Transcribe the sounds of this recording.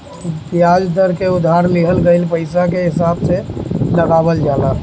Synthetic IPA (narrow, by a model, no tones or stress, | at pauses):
t̪ijad͡ʒd̪əɾkeud̪ʱːaɾliɦəlɡəɪlpəɪsakeɦɪsabseləɡabəld͡ʒala